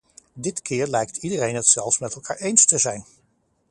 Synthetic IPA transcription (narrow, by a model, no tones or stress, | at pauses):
dɪtkʰɪːɹlɛjk̚tʰidərejnɦətsɛlˠfsmɛtɛlˠkʰaːɹejnstəzɛjn